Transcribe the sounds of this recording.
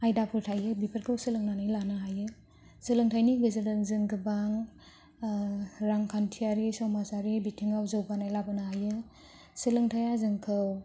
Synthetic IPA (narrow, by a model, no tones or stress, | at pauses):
ajdapʰɯɾtʰajɯbipʰəɾkʰɯwsɯlɯŋnanajlanaɦajɯ | sɯlɯŋtʰajniɡɯzɯdɯnzɯŋɡɯbaŋ | ɾaŋkʰantʰiaɾisɔmasaɾibitʰiŋawzɯwbanajlabɯnaɦajɯ | sɯlɯŋtʰajazɯŋkʰɯw